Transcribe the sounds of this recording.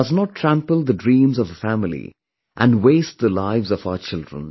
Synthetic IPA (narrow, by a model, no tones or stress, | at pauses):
ʌznɔʈʰːɾæ̃mpəlˠd̪əɖɾĩːmzɔvəfæmɪlḭ | ʔæ̃nɖweːst̚d̪əlaɪvzɔvaʊət͡ʃɪldɹə̰̃n